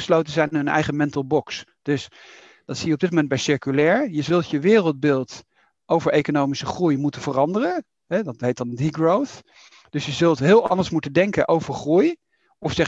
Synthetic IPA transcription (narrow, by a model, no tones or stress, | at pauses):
əslowtənzɛjnənɛ̰jχəmɛntəl̩ˠbɔks | d̥ɵs | d̥ɑtsijəɔbdɪt̚momɛn̚bɛjsɪɹkylɛːɹjəzɵlˠtjəʋɪːrəlˠd̚bɪːlˠt | ʔowvəɹʔejkonowmisəχrujmutənvərɑndərən | ɦɛdɑtɦejtdɑndiɡɹowθ | d̥ɵsjəzɵlˠtɦɪːlˠɑndəɹsmutəndɛŋkənʔowvəɹχruj | ɔfsɛχ